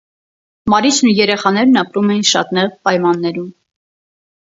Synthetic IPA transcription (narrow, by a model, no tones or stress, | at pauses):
mɑɾit͡ʃʰnujɛɾɛχɑn̪ɛɾnɑpɾumɛjinʃɑ̰t̪nɛʁpɑjmɑnːɛɾum